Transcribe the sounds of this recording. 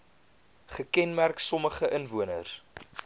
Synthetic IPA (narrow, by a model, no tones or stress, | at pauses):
χəkɛnmærksɔməχəʔənvuənər